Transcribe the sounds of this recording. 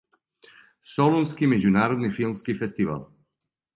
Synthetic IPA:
solunskimɛzunaːɾod̪nifilˠmskifɛst̪iva̰l

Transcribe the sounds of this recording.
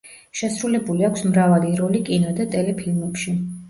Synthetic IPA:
ʃɛsɾulɛbuliakʷʰsmɾavaliɾɔlikʼinɔd̪at̪ʼɛlɛpʰilmɛpʃi

